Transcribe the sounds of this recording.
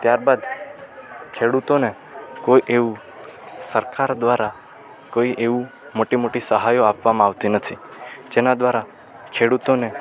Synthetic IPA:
t̪jaɾbad̪ | kʰeɽut̪one | koiʔeʋu | səɾkaɾd̪ʋaɾa | koiʔeʋũ | moʈimoʈisəɦajoapʋamãaʋt̪inət̪ʰid͡ʒenad̪ʋaɾa | kʰeɽut̪one

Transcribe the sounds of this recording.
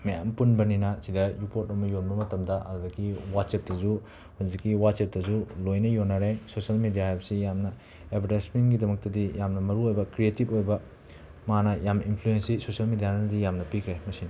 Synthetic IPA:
mɐja̰mpunbɐninɐsidɐjupotomɐjonbɐmɐtɐmdɐʔɐ̰dudɐkːiwat̚sep̚dɐzu | huzikːiwat̚sep̚tɐzulojnɐjonːɐɾesosɐlmidijaabɐsijamnɐ | ebʱɐɾajsmenɡidɐmɐk̚tɐdijamnɐmɐɾuojbɐkɾietipojbɐ | manɐjaminpʰluensisosiɐlmidijanɐnɐdijamnɐpikʰɾemɐsinɐ

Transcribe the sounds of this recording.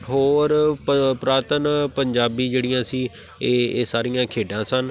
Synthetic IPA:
ɦoːɾpəpɾaːt̪ənpəɲd͡ʒaːbiːd͡ʒeːɽɪjãːsiː | eːeːsaːɾijãːkʰeːɖãːsən

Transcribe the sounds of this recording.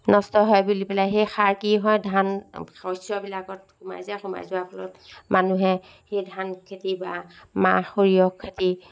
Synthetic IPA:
nɔstɔɦɔjbulipɛlajɦejxaɹkiɦɔjdʱanɔjsɔbilakɔtxuma̰jzaxuma̰jzuwapʰɔlɔ̰tmanuɦɛ | hejdʱankʰetibama̰xoɹijɔkʰːeti

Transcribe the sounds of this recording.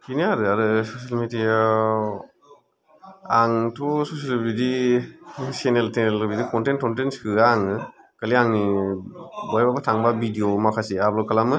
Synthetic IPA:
kiniaɾɯaɾɯsosalmedija | aŋtʰɔsosiabidi | seneltʰenelɯbidikɔntent̚kɔntenskɯaŋɯ | kaliaŋni | bajbabatʰaŋbabidiomakʰasiablɔkʰalamɯ

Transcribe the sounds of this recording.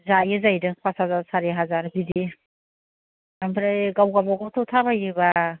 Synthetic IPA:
zajɯzajdɯŋpʰasazasaɾeɦazaɾbidi | ambɾajɡawɡabaɡawtʰɔtʰabajiba

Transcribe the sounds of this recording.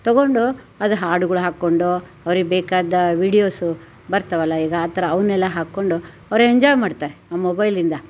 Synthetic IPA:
t̪ɐɡo̞ɳɖu | ɐd̪ɦaːɾɖuɡɐɭuɦaːkːoɳɖu | ɐʋɾiɡebɛːkaːd̪ɐʋiːɽijoːsu | bɐɾt̪ɐʋɐlːɐiːɡɐaːt̪ɐɾɐːʋɐnɛlːɐɦaːkːo̞ɳɖu | ɐʋɐɾeɲd͡ʒɔːjmaːɖt̪aːɾeaːmobɐjlind̪ɐ

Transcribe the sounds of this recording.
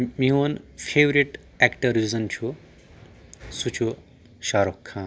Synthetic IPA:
miɦonpʰeʋɾiʈ | ekʈɐɾizɐnt͡ʃʰu | sut͡ʃʰu | ʃaːɾokʰːãːn

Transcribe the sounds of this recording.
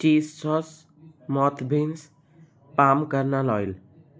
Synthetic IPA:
ʈiːssɔs | mɔt̪ʰbʱins | paːmkəɾnalɔːjl

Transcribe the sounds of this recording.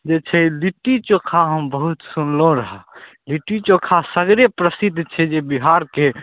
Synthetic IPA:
d͡ʒet͡ʃʰɛliʈːit͡ʃokʰaɦəmbəɦut̪sunlõɾəɦə | liʈit͡ʃokʰasəɡɾepɾəsid̪ʱt͡ʃʰɛd͡ʒebiɦaɾke

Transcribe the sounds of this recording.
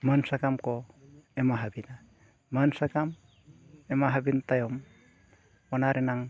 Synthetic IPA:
mənsakamkoemaɦabina | mənsakam | emaɦabintajɔm | ɔnaɾenaŋ

